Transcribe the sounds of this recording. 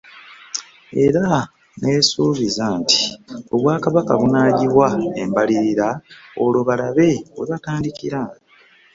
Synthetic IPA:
e̞̰ɾa | ne̞ːsuːβizanti̥o̞βwaːkaβaka̰βunaːɟiβwae̞̰mbaliɾiɾao̞loβalaβe̞βwḛβataːndikiɾa

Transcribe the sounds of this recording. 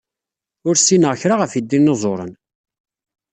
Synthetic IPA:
ʊɾsinəʁçɾaʁəfid̪ːinːəzˤoɾˤə̰n

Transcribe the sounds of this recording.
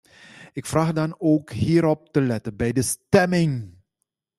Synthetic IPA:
ɪkfraːxdɑnoːkɦiːɾɔp̚təlɛtənbɛjdəstɛmɪŋ

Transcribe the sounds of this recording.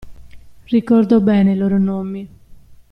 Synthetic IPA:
rikɔrd̪obɛːneilɔːɾonomːi

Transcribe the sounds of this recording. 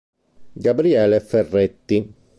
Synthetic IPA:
ɡabɾiɛːlefɛrːet̪ːi

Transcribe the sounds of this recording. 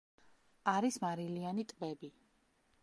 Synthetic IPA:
aɾismaɾilianit̪ʼbɛbi

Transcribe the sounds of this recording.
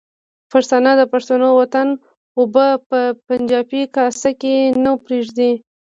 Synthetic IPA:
faɾsɑnad̪əpaʂt̪unowat̪an | obəpəpand͡ʒɑpikɑsakenawpɾeʐd̪i

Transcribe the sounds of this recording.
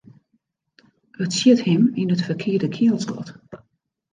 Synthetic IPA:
ətsjɪthɪminətfərkʰɪədəkʰɪəlˠsɡɔ̰t

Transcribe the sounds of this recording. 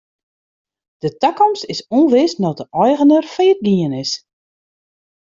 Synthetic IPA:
d̥ətakɔmstɪsonʋɪsnɔtəʔɔjɣənərfəət̚ɡiənɪs

